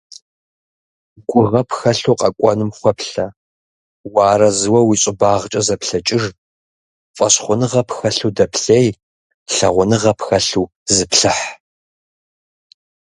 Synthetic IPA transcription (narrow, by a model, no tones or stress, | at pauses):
ɡ̥ʷʊʁɐpxɐɬuːqʼɐkʷʼɔnɨmχʷɔpɬɐ | waːrɐzɨwɐwiɕʼɪbaːʁt͡ʃʼɐzɐpɬɐt͡ʃʼɪʒ | fʼɐɕχʷʊnɨʁɐpxɐɬuːdɐpʰɬeːj | ɬɐʁʷʊnɨʁɐpxɐɬuː | zɨpɬɨħ